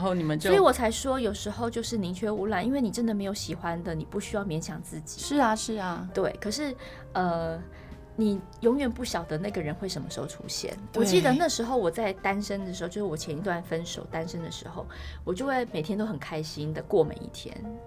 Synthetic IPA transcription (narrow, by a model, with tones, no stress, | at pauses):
o˥˩ʊni˨˩mə˨˦sɔ˥i˨˩˥wɔ˨˩t͡sʰa˧˥ɪʂwɔ˥jo˨˩ʊʂɻ̩˧˥xo˥˧ʊt͡ɕjo˥˧ʊʂɻ̩˥˩ni˧˥ŋt͡ɕʰɥɛ˥u˧˥lwa˥˩ni˥nwe˥˩ɪni˨˩ʈ͡ʂə˥nd̪ə˨˩me˧˥ɪjo˨˧˩ʊɕi˨˩xwa˦nd̪ə˨ni˨˩pu˥˩ɕy˥jɑ˥˩ʊmjɛ˧˥nɕjɑ˨˩ŋt͡sɹ̩˥˩t͡ɕi̥˨˩˦ʂʂɻ̩˥˩a˨˩ʂɻ̩˥˩a˩t̪we˥˩ɪkʰɤ˨˩ʂɻ̩˥˩ | ə˧ | ni˨˩ | jo˧˥ŋɥɛ˨˩npu˥˩ɕjɑ˨˩ʊd̪ə˦na˥˩ɡə˩ɻə˧˥nxwe˥˩ɪʂə˧˥mə˧ʂo˥˧˩ʈ͡ʂʰṵ˥ɕjɛ̰˥˩nwwɔ˨˩t͡ɕi˥˩d̪ə˩˨na˥˩ʂɻ̩˧˥xo˥˩ʊwɔ˨˩t͡sa˥˩ɪt̪a˥nʂə˥nd̪ə˨˩ʂɻ̩˧˥o˧jo˥˧˩ʂɻwɔ˨˩t͡ɕʰjɛ˧˥ni˧˥t̪wa˥˩nfə˥nʂo̰˨˩ʊt̪a˥nʂə˥nd̪ə˨ʂɻ̩̰˧˥xo˥˧˩ʊwɔ˨˩t͡ɕjo˥˧ʊxwe˥˩ɪme˨˩t̪ʰjɛ˥nt̪o˥ʊxə˨˩nkʰa˥ɪɕi˥nd̪ə˨kwɔ˥˩ma̰˨˩nḭ˥˩t̪ʰjɛ̰˥n